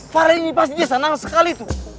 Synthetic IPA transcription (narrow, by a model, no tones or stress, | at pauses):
faɾainipast̪idiasənaŋsəkalit̪u